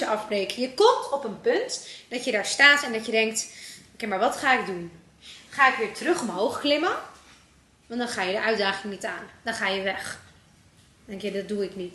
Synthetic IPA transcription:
əʔɑfbrejkəjəkɔmtʰɔpənpɵntd̥ɑtjədaːɹstaːtɛndɑtjədɛŋktokejmaːɹʋɑtχaːɪk̚dun | χaːɪkʋɪːɹtərɵχɔmɦowχklɪmə | ʋɑndɑnχaːjədəʔœɥdaːχɪŋnitaːndɑnχaːjəʋɛχ | dɛŋkjadɑt̚duɪknit

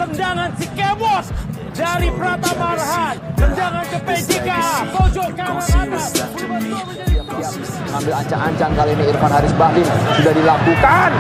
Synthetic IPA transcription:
t̪əndaŋansikebɔs | daɾipəɾat̪abarɦant̪əndaŋankəpedikat̪od͡ʒɔkanaŋat̪a | asia | ŋambɪlaɲt͡ʃaŋaɲt͡ʃaŋkaliniirfanhaɾisbahlɪŋsudahdilakukan

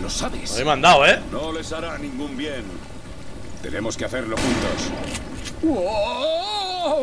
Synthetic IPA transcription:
losaβesjmãnd̪awenole̞saɾanĩŋɡumbjen | t̪e̞̰ne̞mo̞skeaθeɾlo̞xunt̪os | wo

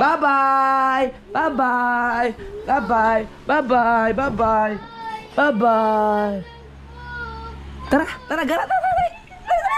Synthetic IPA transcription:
babaj | babajbabaj | babajbabajbabaj | t̪aɾat̪aɾaɡaɾadababa

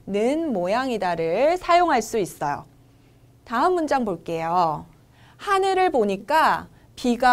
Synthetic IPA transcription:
nɯnmojaŋidaɾɯɭsʰajoŋɦaɭs͈uis͈ʌjo̰ | taɯmːund͡ʑaŋboɭk͈e̞jo | hanɯɾɯɭpoɲik͈a | piɡa

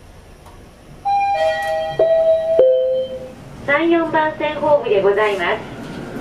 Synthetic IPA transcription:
sãɰ̃jõ̞mbãɰ̃sẽ̞ɰ̃ɦo̞ːbɯd̪e̞ɡo̞zaimasɨ̥

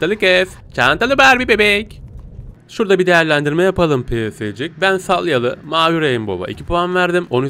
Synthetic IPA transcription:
t̪alʲˠɯkɛf | t͡ʃʰant̪alˠɯbæɾbibebɛc | ʃuɾd̪abid̪e̞jæɾlʲænd̪iɾmɛjapalˠɯmpʰesed͡ʒic̚bænsalˠjalˠɯmaːjuɾejimbo̞̰ba̰ʔḭcʰi̥pʰuanvæɾd̪imo̞n

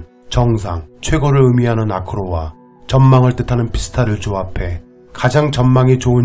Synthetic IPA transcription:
t͡ɕʌŋs̬ʰaŋt͡ɕʰwe̞ɡoɾɯɭɯmiɦanɯnakʰɯɾowa | t͡ɕʌnmaŋɯɭt͈ɯtʰanɯnpi̥sʰɯ̥tʰaɾɯɭt͡ɕoapʰe̞ | kad͡ʑaŋt͡ɕʌnmaŋit͡ɕoɯn

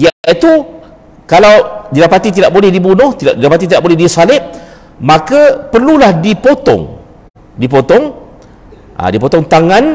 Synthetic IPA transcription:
jaait̪u | kalawdidapat̪it̪̬idaʔbolɛhdibunʊht̪iaʔdidapat̪it̪idaʔbolɛɦdisalɪp̚ | mãkapərlulahdipot̪ɔ̰ŋ | dip̬ot̪ɔŋ | ʔa̰dipot̪ɔŋt̪aŋãn

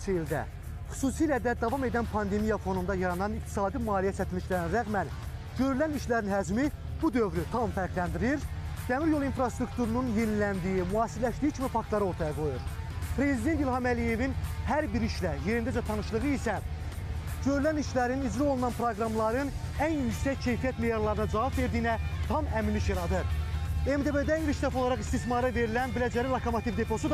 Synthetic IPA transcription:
t͡ʃʰiild̪æ̰ | χy̥suːsiːlæd̪æd̪ɑvɑme̞d̪ænpʰɑnd̪e̞mijɑfo̞nund̪ɑjɑɾɑnɑnik̚t̪ʰi̥sɑːd̪imɑːlijæsæt̪ʰiliʃlæɾiniɾæɣmænɟø̞ɾylæniʃlæɾinɦæd͡ʒmi | b̥ud̪øvɾyt̪ʰɑmfæɾklænd̪iɾiɾd̪̥æmiɾjo̞lˠinfɾɑst̪ɾukt̪ʰuɾununje̞nilænd̪ijimuɑːsiɾlæʃt̪ijicʰimifɑkt̪lˠɑɾɯo̞ɾt̪ʰɑjɑɡo̞juɾ | pʰɾe̞zid̪e̞nt̪ilhɑmælije̞vinhæɾbiɾiʃlæje̞ɾind̪æd͡ʒɛt̪ʰɑnɯʃlˠɯʁɯisæ | ɟ̥ø̞ɾylæniʃlæɾinid͡ʒɾio̞lˠunɑnpʰɾoɡɾɑmlˠɑɾɯnænjycsæcʰːe̞jfijæt̪me̞jɑɾlˠɑɾɯnɑd͡ʒɑvɑbve̞ɾd̪ijnæt̪ʰɑmæminliʃjɑɾɑd̪ɯɾemd̪e̞bed̪æilʃʰd̪æfɑo̞lˠɑɾɑχist̪ismɑɾɯve̞ɾilænbilæd͡ʒæɾilˠɑkʰomot̪ivd̪e̞pʰo̞sud̪

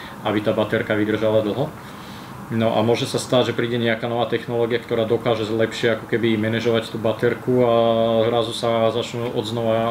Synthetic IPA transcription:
abit̪aːbat̪ɛɾkaʋid̪r̩ʒalad̪l̩ˠɦɔ | nɔʔa̰mʊɔʒɛsast̪aɟʒɛpɾiːɟɛɲɛakanɔʋaːt̪ɛxnɔlɔːɡijakt̪ɔɾaːd̪ɔkaːʒɛzlɛpʃɪɛakɔkɛbimɛnɛʒɔʋact̪uːbat̪ɛɾkuazɾazusazat͡ʃnuːʔɔd̪znɔʋa

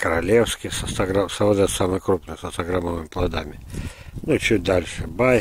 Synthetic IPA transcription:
kəɾɐlʲefskʲɪsɐst̪ɐɡɾamsɐvod̪ɛt̪samɨjkɾupnɨjsɐst̪ɐɡɾaməvɨmʲɪplˠɐd̪a̰mʲɪnut͡ɕut̚ʲd̪alʲʂɨbaj

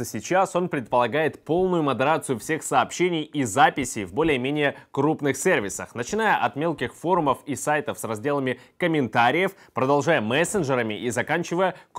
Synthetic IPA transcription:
əsʲɪt͡ɕaso̞npɾʲɪt̪̚pəlˠɐɡajɪt̪po̞lˠnʊjʊməd̪ɪɾat̪sɨjʊfsʲe̞xsɐːpɕːenʲɪjizapʲɪsʲɪjvbo̞lʲɪjəmʲenʲɪjəkɾupnɨxsʲe̞rvʲɪsə̰xnət͡ɕɪn̪ajəʔɐt̪mʲe̞lˠkʲɪxfo̞ɾʊməfisajt̪əfsrɐzʲdʲe̞lˠəmʲɪkəmʲɪnt̪aɾʲɪjəfpɾəd̪ɐlˠʐajəmɛsʲɪnʐɨɾəmʲɪʔizɐkanʲt͡ɕɪvəjək

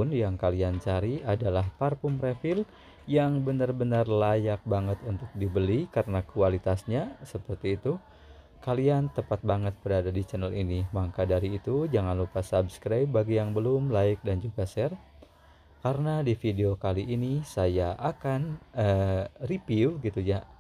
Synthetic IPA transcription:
ʊnjaŋkaliant͡ʃaɾiadalahparpʊmrefɪl | jaŋbənarbənarlajak̚baŋət̪unt̪ʊk̚dibəlikaɾənakualit̪asɲasəpərt̪iːt̪u | kaliant̪əpat̪̚baŋət̪̚bəɾadadit͡ʃɛnəlinimaŋkadaɾiːt̪ud͡ʒaŋanlupasabskɾajbːaɡijaŋbəlʊmlaɪk̚dand͡ʒuɡasɛr | kaɾənadifideokaliʔːnisajaʔakanəripiuɡit̪uja

